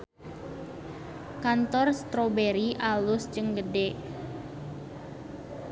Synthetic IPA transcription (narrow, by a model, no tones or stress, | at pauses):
kant̪ɔrst̪ɾobeɾiʔalʊst͡ʃɨŋɡəɖe